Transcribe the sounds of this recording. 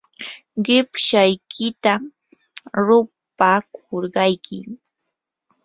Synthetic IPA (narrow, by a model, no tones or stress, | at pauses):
ɢɪpʃajkʰɪt̪a | ɾʊ | pakʰoɾɢɑjkʰɪ̰